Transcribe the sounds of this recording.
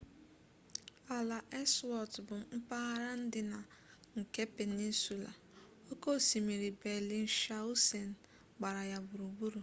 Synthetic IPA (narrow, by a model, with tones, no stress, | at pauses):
a˨la˨ʔe˦swɔ˨tbʊ˨m̩˦pa˦a˦ɾa˦n̩˦dɪ˦na˨ŋ̩˨ke˦pe˨ni˦n˦su˨la̰˨ | o˦ko˦˨si˨mi˨ɾi˨be˨li˦n̩˦ʃa˦u˦se˨n̩˨ | ɡ͡ba˨ɾa˨ja˨bu˨ɾu˨ɡ͡bu˦ɾu˨